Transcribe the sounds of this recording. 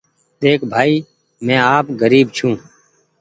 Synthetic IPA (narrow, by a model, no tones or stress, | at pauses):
d̪eːkʰbʱaːiː | mɛ̃ːaːpɡəɾiːbt͡ʃʰũː